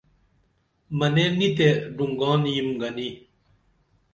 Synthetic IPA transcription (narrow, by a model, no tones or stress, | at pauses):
mɐnenit̪eɖuŋɡɑ̃ːnjimɡani